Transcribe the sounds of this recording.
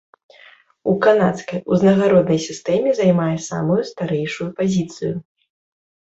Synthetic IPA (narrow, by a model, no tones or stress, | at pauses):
ukanat̪skɐjuznɐɣaɾɔd̪nɐjsʲist̪ɛmʲɛzajmajɛsa̰mujust̪aɾɛjʂujupazʲit̪sɨju